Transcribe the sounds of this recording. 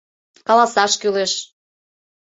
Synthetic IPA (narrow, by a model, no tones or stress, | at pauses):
kɑlɑsɑʃkyleʃ